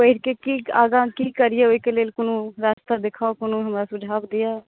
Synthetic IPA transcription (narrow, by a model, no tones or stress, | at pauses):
əɪɾkekia̰ːɡãkikəɾijeoikeleːlkonũɾaːst̪ad̪ekʰaokonõɦəmɾasʊd͡ʒʱaːbd̪ija